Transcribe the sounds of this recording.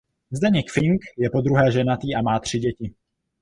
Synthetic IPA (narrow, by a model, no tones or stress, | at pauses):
zdɛɲɛkfɪŋkjɛpo̞d̪ɾuɦɛːʒɛnat̪iːamaːt̪r̝̥ɪɟɛcɪ